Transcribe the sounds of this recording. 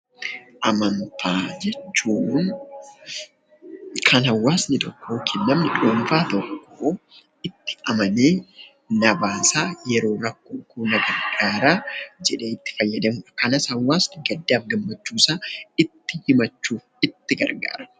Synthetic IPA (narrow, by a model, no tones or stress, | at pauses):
ʔɐmɐnt̪ʰaːd͡ʒɛt͡ʃːuːn | kʰɐnhɐwːaːsnɪt̪ɔkːoːkʰinːɐmnɪᶑoːnfaːt̪ɔkːoː | ɪt̪ːɪ̥ɐmɐneː | nɐbaːsaːjɛɾo̞ːɾɐkːoːkuːnɐɡɐɾɡaːɾaːd͡ʒɛᶑe̞ːɪt̪ːɪ̥fɐjːɐd̪ɐmʊʔɐkɐnɐshɐwːaːsnɪɡɐd̪ːaːfɡɐmːɐt͡ʃːuːsaːɪt̪ːɪhɪmɐt͡ʃːuː | ɪt̪ːɪɡɐ̰ɾɡa̰ːɾɐ̥